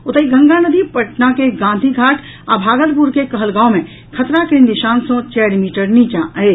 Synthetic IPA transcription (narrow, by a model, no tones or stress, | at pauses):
ʊt̪əiɡʱə̃ŋɡanəd̪ipəʈnakeɡãːnd̪ʱiɡʱaːʈʰ | abʱaːɡəlpuɾkekɐɦəlɡãːõmẽ | kʰɐt̪ɾakɾĩnd̪iʃãːnsõt͡ʃɛːɾmiːʈəɾnit͡ʃaːʔe